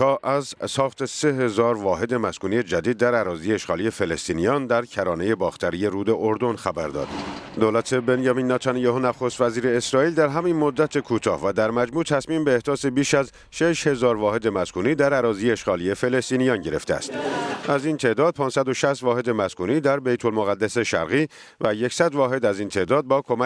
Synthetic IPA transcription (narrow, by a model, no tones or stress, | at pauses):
ɒːʔæzsɒːxt̪e̞se̞ɦe̞zɒːɾvɒːɦe̞d̪e̞mæskuːnije̞d͡ʒæd̪iːd̪̚ːæɾæɾɒːzieeʃɣɒːlije̞felest̪iːnijɒnd̪æɾcʰæɾɒːne̞je̞bɒːxt̪ʰæɾije̞ɾuːd̪e̞ʔoɾd̪o̞nxæbæɾd̪ɒ̰ːd̪̥d̪oːlæt̪ʰe̞benjɒmiːnːɑt̪ʰɑnijɑhonæxo̞st̪væziːɾe̞ːsɾɒːiːld̪æɾɦæminmod̪ːæt̪ʰe̞kʰuːt̪ʰɒ̰ːhvæd̪æɾmæd͡ʒmuːt̪ʰæsmiːmbe̞ːhd̪ɒːse̞biːʃæz | ʃeʃhe̞zɒːɾvɒːhe̞d̪emæskʰuːniːd̪æɾæɾɒːzijeeʃɡɒːlie̞fe̞le̞st̪iːnijɒːnɟe̞ɾe̞ft̪eæ̰st̪ʔæzint̪ʰe̞ʔd̪ɒːd̪̥̚pʰɒːnsæd̪o̞ʃæst̪vɒːhed̪e̞mæskuːniːd̪æɾbejt̪ʰo̞lmoɣæd̪ːæse̞ʃæ̰ɾɣiː | væje̞csæd̪vɒːɦe̞d̪æzint̪ʰe̞ʔd̪ɒːd̪̚bɒːkʰo̞mæ